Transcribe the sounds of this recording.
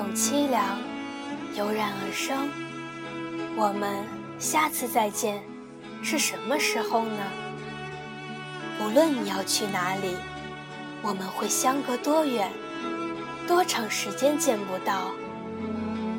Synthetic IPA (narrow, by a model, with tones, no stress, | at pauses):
ʊ˨˩ŋt͡ɕʰi˥ljɑ˧˥ŋ | jo˧˥ʊɻa˧˥nə˨˩ʂɤ˥ŋ | wɔ˨˩mə˧˦n | ɕja˥˧t͡sʰɹ̩˥˧t͡sa˥˧ɪt͡ɕjɛ˥˧n | ʂɻ̩˥˩ʂə˧˥nmə˧ʂɻ̩˧˥xo˥˧ʊnə˩ | u˧˥lwə˥˩nni˨˩jɑ˥˧ʊt͡ɕʰy˥˩na˧˥li˨˩ | wɔ˨˩mə˧˦nxwe˥˩ɪɕjɑ˥ŋkɤ˧˥t̪wɔ˥ɥɛ˨˧˩n | t̪wɔ˥ʈ͡ʂʰɑ˧˥ŋʂɻ̩˧˥t͡ɕjɛ˥nt͡ɕjɛ˥˧npu˥˩t̪ɑ˥˩ʊ